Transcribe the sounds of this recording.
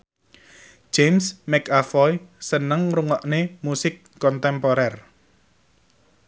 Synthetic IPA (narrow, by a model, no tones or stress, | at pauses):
ʒ̥emsmɛkafɔjsənəŋruŋɔʔnemusɪkːɔnt̪ɛmpoɾɛr